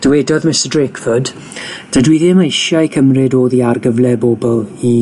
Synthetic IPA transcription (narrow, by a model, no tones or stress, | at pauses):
d̥əwɛdɔðmɪstədrekfəd | d̥ədwɪðɪəmejʃjaikʰəmrɪdoːðiarɡəvlˠɛboːbɔlˠi